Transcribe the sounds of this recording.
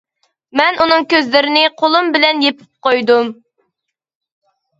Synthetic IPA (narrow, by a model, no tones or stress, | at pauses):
mɛnunɨŋkʲøzlɪɾɪnɪqʰolˠumbɪlɛnjepʰɪ̥p̚qojd̪um